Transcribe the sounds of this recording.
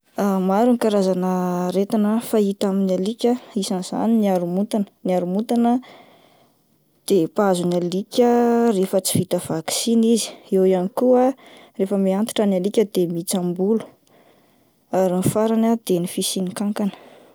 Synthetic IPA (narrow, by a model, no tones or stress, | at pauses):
amaɾunikaɾazanəɾet̪inəfait̪aminalikʲəisaniz̥a̰niniaɾumut̪anəniaɾumut̪anə | d̪̥epazunalikʲərefət͡si̥vit̪əv̥aksinizi̥ewianikua | refəmiant̪i̥ʈ͡ʂanalikʲəd̪emit͡sambulu̥ | aɾinifaɾanad̪̥enifisinikaŋkanə̥